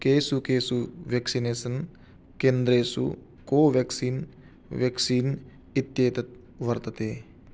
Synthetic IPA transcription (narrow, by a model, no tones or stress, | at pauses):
keːsukeːsuʋjɐksineːsɐn | keːnd̪ɾeːsṵ | koːʋjɐksiːn | ʋjɐksiːn | it̪jeːt̪ɐt̪̚ | ʋɐɾt̪ɐt̪eː